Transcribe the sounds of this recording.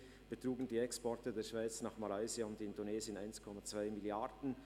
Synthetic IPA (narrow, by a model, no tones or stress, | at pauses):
b̥ətruːɡn̩diːɛkspɔɐtədeːɐʃv̥aɪt͡snaːχmalaɪziaʊntɪndoneːzəna̰ɪnskʰɔmat͡sv̥aɪmɪljaɾdn̩